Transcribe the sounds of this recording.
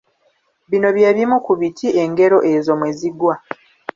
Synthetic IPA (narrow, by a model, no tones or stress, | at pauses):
βino̞βjeːβimukuβitʰiʔeŋɡe̞ɾo̞ʔezo̞mweziɡwa